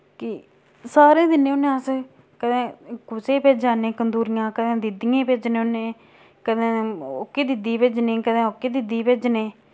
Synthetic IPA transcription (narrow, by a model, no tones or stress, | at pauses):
kɪ | saːɾẽːd̪ɪnːẽːʊnẽːəs | kəd̪ẽːkʊseːpeːd͡ʒaːnẽːkənd̪uːɾɪjãːkəd̪ẽːd̪ɪd̪ɪjãːpeːd͡ʒnẽːonẽː | kəd̪ẽːokːeːd̪ɪd̪iːpɪd͡ʒnẽːkəd̪ẽːokːeːd̪ɪd̪iːpɪd͡ʒneː